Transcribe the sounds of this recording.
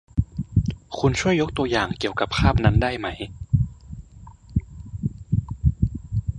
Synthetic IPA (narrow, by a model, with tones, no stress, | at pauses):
kʰu˧nt͡ɕʰu˥˩əjːo˦˥k̚t̪u˧ɐjaː˨˩ŋki˨˩əwka˨˩p̚kʰaː˥˩p̚na˦˥ndaː˥˩jma˦˥j